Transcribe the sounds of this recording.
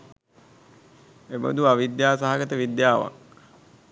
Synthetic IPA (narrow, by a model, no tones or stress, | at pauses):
ebə̰d̪uaʋid̪jaːsaɦaɡət̪əʋid̪jaːʋa̰k